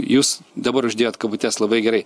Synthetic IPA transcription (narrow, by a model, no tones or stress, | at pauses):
juːsd̪ɐbɐɾʊʒʲd̪ʲeːjoːt̪kɐbʊt̪ʲæslˠɐbɐɪɡʲɛɾɐɪ